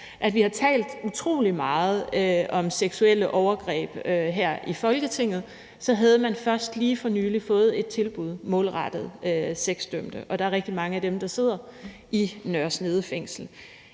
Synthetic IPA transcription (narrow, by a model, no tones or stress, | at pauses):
ʔæd̥ʋihɑ̈t͡sʰɛ̰ːld̥ut͡sʰʁo̝̰ːlimɑ̈ːð̞̩ˠøɒ̽mseɡ̥suel̰əʔɒʊɐɡ̥ʁɛ̰ːb̥øɦeɐ̰ʔifɒ̽lɡ̥ət͡sʰe̝ŋ̰ð̞̩ˠ | sɒ̽ɦæð̞ˠəmænfɶɐsd̥liːfɒ̽nyːlifɔ̽ːð̞̩ˠe̝d̥̚t͡sʰe̝lb̥uð̞̰ˠmɔ̽ːlʁɑd̥ð̞̩ˠøseɡ̥sd̥øm̰d̥əʔɒ̽ɾ̥ɑ̈æɐʁeɡ̥̚d̥imɑ̈ŋəæd̥emd̥ɑ̈se̝ð̞̰ˠɐ | ʔinɶɐsne̝ð̞ˠəfeŋ̰sl̩